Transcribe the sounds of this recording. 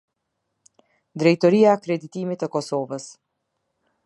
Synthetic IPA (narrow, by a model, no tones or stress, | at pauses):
d̪ɾɛjt̪ɔɾiaɛkɾɛd̪it̪imit̪əkɔsɔvəs